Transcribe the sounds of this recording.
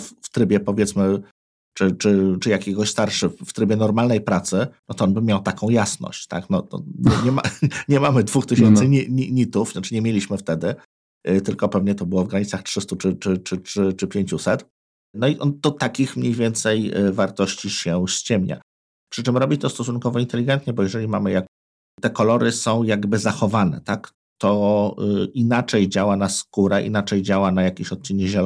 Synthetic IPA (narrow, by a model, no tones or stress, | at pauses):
fft̪ɾɘbʲjɛpɔvʲjɛt̪smɘ | t͡ʂɘt͡ʂɘt͡ʂɘjakʲɛɡɔɕst̪aɾʂɘft̪ɾɘbʲjɛnɔɾmalnɛjpɾat̪sɘnɔt̪ɔɔnbɘmʲjawt̪akʰɔ̃w̃jasnɔ̰ɕt͡ɕt̪a̰knɔt̪ɔ̰ɲɛɲɛmaɲɛmamɘd̪vuxt̪ɘɕɛnt̪sɘɲiɲiɲit̪ufnat͡ʂɘɲɛmʲjelʲiɕmɘft̪ɛd̪ɘ | t̪ɘlkɔpɛvɲɛt̪ɔbɘwɔvɡɾaɲit̪saxtʂɘst̪ut͡ʂɘt͡ʂɘt͡ʂɘɘt͡ʂɘpʲjeɲt͡ɕusɛt̪ | nɔiʔɔnt̪ɔt̪akʲixmɲejvʲjɛnt̪sɛjvaɾt̪ɔɕt͡ɕiɕɛɕt͡ɕɛmɲa̰ | pʂɘt͡ʂɘmɾɔbʲit͡ɕt̪ɔst̪ɔs̬unkɔvɔint̪ɛlʲiɡɛnt̪ɲɛbɔjɛʐɛlʲimamɘjak | t̪ɛkɔlɔɾɘsɔ̃w̃jaɡbɘzaxɔvanɛ̰t̪ak | t̪ɔ | inat͡ʂɛjd͡ʑawanaskuɾɛʔḭnat͡ʂɛjd͡ʑawanajakʲeɕɔt̪̚t͡ɕinɛʑɛl